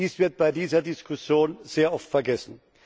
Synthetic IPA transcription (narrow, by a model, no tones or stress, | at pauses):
iːsv̥ɪɐt̚b̥aɪdiːzɐdɪskʰʊsjoːnz̥eːɐʔɔftfɛɐɡɛsn̩